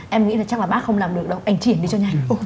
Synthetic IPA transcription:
ʔɛ˧mŋḭ˧˥laː˨˩t͡ɕa˦˥k̚laː˨˩ɓaː˦˥kxə˧wŋ͡mlaː˨˩mɗɨ˨˩ək̚ɗə˧wʔa˧jŋ̟t͡ɕi˧˩ənɗi˧t͡ɕɔ˧ɲaː˨˩

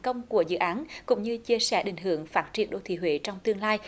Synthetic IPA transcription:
kə˧wŋ͡mku˧˩əzɨ̰˧˨ʔaː˨˦nkʊ̰˧˥ŋ͡mɲɨ˧t͡ɕi˧əsɛ˧˩ɗï˧˩ŋ̟ɦɨ˧˩˨əŋfaː˦˥t̚t͡ɕi˧˩ənɗo̰˧˨t̪ʰḭ˧˩ɦwḛ˧˥t͡ɕɔ˧wŋ͡mt̪ɨ˧əŋlaː˧j

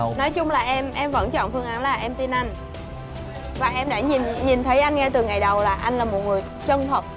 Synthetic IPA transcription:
nɔ˨˦jt͡ɕʊ˧ŋ͡mlaː˨˩ʔɛ˧mʔɛ˧mvə̰˧˥nt͡ɕɔ̰˧˨nfɨ˧əŋʔa˨˦nlaː˨˩ʔɛ˧mt̪i˧nʔa˧jŋ̟ | vaː˨˩ʔɛ˧mɗa̰ː˧˥ɲi˨˩nɲi˨˩nt̪ʰə˨˦jʔa˧jŋ̟ŋɛ˧t̪ɨ˨˩ŋa˨˩jɗə˨˩wlaː˨˩ʔa˧jŋ̟laː˨˩mo˨˩t̚ŋɨ˨˩əj | t͡ɕə˧nt̪ʰə˨˩p̚

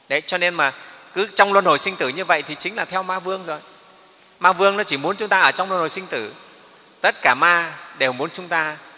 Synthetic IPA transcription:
ɗə˨˦jt͡ɕɔ˧ne˧nmaː˨˩kɨ˨˦t͡ɕɔ˧wŋ͡mlwə˧nho˨˩jsï˧ŋ̟t̪ɨ˧˩ɲɨ˧və̰˧˨jt̪ʰi˨˩t͡ɕï˨˦ŋ̟laː˨˩t̪ʰɛ˧wmaː˧vɨ˧əŋzo˨˩j | maː˧vɨ˧əŋnɔ˨˦t͡ɕi˧˩mu˨˦ənt͡ɕʊ˨˦ŋ͡mt̪aː˧ʔəː˧˩t͡ɕɔ˧wŋ͡mlwə˧nho˨˩jsï˧ŋ̟t̪ɨ˧˩ | t̪ə˦˥t̚kaː˧˩maː˧ɗe˨˩mu˨˦ənt͡ɕʊ˨˦ŋ͡mt̪aː˧

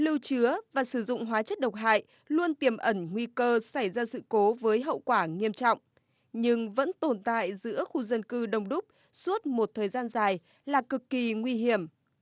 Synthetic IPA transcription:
lɨ˧wt͡ɕɨ˨˦əvaː˨˩sɨ˧˩zʊ̰˧˨ŋ͡mɦwaː˨˦t͡ɕə˦˥t̚ɗə˨˩wk͡p̚ɦa̰ː˧˨j | lu˧ənt̪i˨˩əmʔə˧˩nŋwi˧kəː˧sa˧˩jzaː˧sɨ̰˧˨ko˨˦vəː˨˦jɦə̰˧˨wkwaː˧˩ŋi˧əmt͡ɕɔ̰˧˨wŋ͡m | ɲɨ˧ŋvə̰˧˥nt̪o˨˩nt̪a̰ː˧˨jzɨ̰˧˥əxu˧zə˧nkɨ˧ɗə˨˩wŋ͡mɗʊ˦˥k͡p̚ | su˦˥ət̚mo˨˩t̚t̪ʰəː˨˩jzaː˧nzaː˨˩j | laː˨˩kɨ˨˩kːi˨˩ŋwi˧ɦi˧˩əm

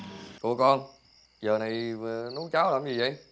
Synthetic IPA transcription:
kṵ˧˩əkɔ˧n | zəː˨˩na˨˩jnu˨˦wt͡ɕaː˨˦wla̰˨˧˨mzi˨˩və̰˧˨˩j

